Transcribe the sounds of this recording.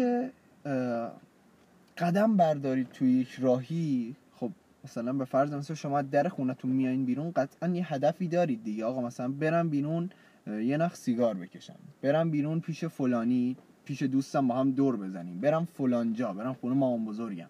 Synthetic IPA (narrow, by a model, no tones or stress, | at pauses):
e | ɢæd̪æmbæɾd̪ɒːɾiːd̪̚t̪ʰujjecʰɾɒːɦiː | xob̚ | mæsælænbe̞fæɾzemæslænʃo̞mɒːæd̪æɾexuːnæt̪ʰunmijɒːinbiːɾuːnɢæt̪ʰænjeɦæd̪æfiːd̪ɒːɾiːd̪̚ːiɟeɒːɣɒːmæsælænbe̞ɾæmbiːɾuːn | jenæxsiːɡɒːɾbe̞cʰe̞ʃæ̰mb̥e̞ɾæmbiːɾuːnpʰiːʃe̞folɒːniː | pʰiːʃe̞d̪uːst̪æmbɒːɦæmd̪oɾbe̞zæniːmbe̞ɾæmfolɒːnd͡ʒɒːbe̞ɾæmxuːnemɒːmbozoɾɟæ̰m